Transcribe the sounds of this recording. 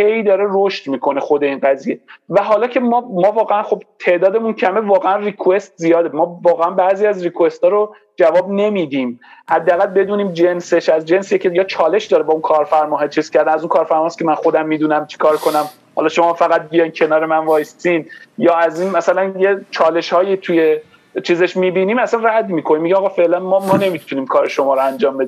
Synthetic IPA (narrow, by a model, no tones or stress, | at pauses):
hejd̪ɒːɾeroʃt̪miːkʰo̞ne̞xo̞d̪e̞iːnɢæzijevæɦɒːlɒːcʰe̞mɒːmɒːvɒːɣeænχo̞bt̪ʰe̞ʔd̪ɒːd̪e̞muncʰæme̞vɒːɣeænrikʰue̞st̪̚zijɒːd̪emɒːvɒːɣeænbæːziæzrikʰue̞st̪ɒːɾo | d͡ʒævɒːb̚ne̞mid̪iːmhæd̪ːææɣælbe̞d̪uːniːmd͡ʒe̞nse̞ʃæzd͡ʒe̞nsjecʰejɒːt͡ʃʰɒːle̞ʃd̪ɒːɾebɒːunkʰɒːɾfæɾmɒːɦet͡ʃʰiːz̥cʰæɾd̪ænæzunkʰɒːɾfæɾmɒːskʲemænxo̞d̪æmːiːd̪uːnæmt͡ʃʰi̥kʰɒːɾkʰo̞næm | hɒ̰lɒʃo̞mɒːfæɣæt̪̚bijɒjmcʰe̞nɒːɾemænvɒːjst̪iːnjɒːæziːnmæsælænjet͡ʃʰɒːle̞ʃhɒːjit̪ʰuje̞ | t͡ʃʰiːzeʃmiːbiːniːmæsænræd̪miːkʰoniːmːiɟiɑːɣɑːfe̞ʔlænmɒmɒːne̞mit̪ʰuniːmkʰɒːɾeʃo̞mɒːɾoænd͡ʒɒːmbe̞d̪im